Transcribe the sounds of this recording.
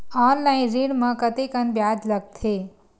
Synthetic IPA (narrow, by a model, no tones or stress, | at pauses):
ɔːnlaːɪnɾiɽmɐ̃kɐt̪ekɐnbjaːd̪lɐɡ̚t̪ʰeː